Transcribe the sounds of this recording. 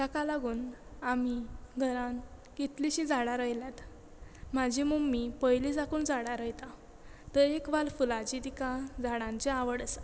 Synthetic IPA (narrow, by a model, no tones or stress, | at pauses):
t̪akalaɡuːnamiɡʱəɾãn | ɡ̥et̪liɕĩd͡zaɽaɾəjljat̪ | mad͡ʑʱimumːipəjlid͡zakuːnd͡zaɽaɾəjt̪a | t̪əɾekʋalfulad͡ʑid̪ikad͡zaɽãɲt͡ɕeaʋəɽəsḁ